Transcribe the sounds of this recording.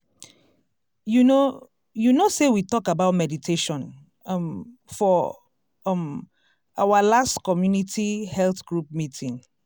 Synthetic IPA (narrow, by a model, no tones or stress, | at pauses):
juno | junosewitɔkabaʊtmɛditʰeʃɔ̃n | mfɔ | m | awalastkɔmjunitʰihɛlθɡ̥ɹup̚mitʰĩŋ